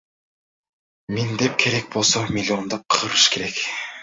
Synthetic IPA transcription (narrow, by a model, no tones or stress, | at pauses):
mind̪e̞p̚kʲʰe̞ɾe̞k̚bolˠsomʲilʲio̞nd̪ɑp̚qʰɯɾɯʃkʰe̞ɾek